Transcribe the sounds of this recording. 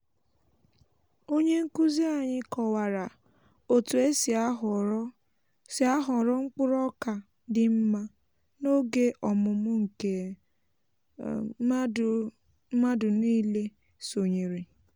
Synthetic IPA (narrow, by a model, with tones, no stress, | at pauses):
o˦ɲe˦ŋ̩˦ku˦zi˦a˨ɲɪ˦kɔ˨wa˨ɾa˨ | o˨tu˨e˦si˨a˦ɦɾ | sa˦ɦɔ˨ɾɔ˦ŋ͡m̩˦k͡pʊ˦ɾɔ˦ka˨ | dɪ˨m̩˦ma˦ | no˦ɡe˦ʔɔ˨mʊ˨mʊ˦ŋ̩˨ke˨˦ | ma˦dʊ˨niː˦le˦ | so˨ɲe˨ɾi˨